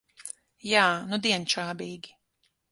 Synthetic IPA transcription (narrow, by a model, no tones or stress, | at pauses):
jaːnud̪iɛnt͡ʃaːbiːɡi̥